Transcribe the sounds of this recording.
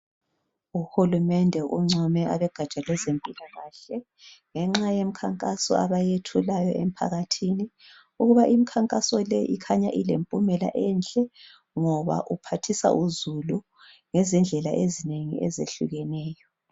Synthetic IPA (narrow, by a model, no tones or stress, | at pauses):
uhulumɛndʱɛʔuŋ͡ǀʱɔmɛʔaβɛɡ̥ʱḁt͡ʃʼalwɛzempʼilaɣaːɬɛ | ŋɛŋ͡ǁajem̩kʰaŋkʼasɔ̰aβajetʰulajɔem̩pʰa̰ɣatʰini | uɣuβaʔimikʰaŋkʼasɔlɛʔikʰaɲaʔilḛmpʼumɛla̰ʔɛnt͡ɬʼɛ | ŋɔβa̰ʔupʰatʰisa̰ʔuzulu | ŋɛzind͡ɮʱɛlaʔezineŋḭʔɛ̰zeɬṵɣɛnɛːjɔ